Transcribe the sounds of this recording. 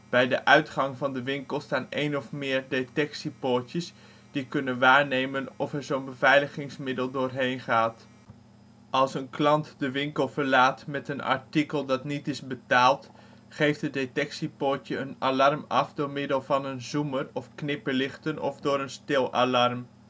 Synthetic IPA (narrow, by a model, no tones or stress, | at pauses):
b̥ɛjdəʔœɥtχɑŋvɑndəʋɪŋkəlˠstaːnejnɔfmɪːɹdetɛksipotəs | d̥ikɵnənʋaːɹnejmənɔfɛɹzonbəvɛjləχɪŋsmɪdəlˠdʊːɹɦejnχaːt | ʔɑlˠsənklɑntdəʋɪŋkəlˠvəɹlaːtmɛtənɑ̰ɹtikəlˠdɑtnitɪzbətaːlˠt | χejftɦədetɛksipoːtjəənalɑrmɑfdʊːɹmɪdəlˠvɑnənzumərɔfknɪpəɹlɪχtənɔ̰vdʊːɾənstɪlˠa̰lɑrm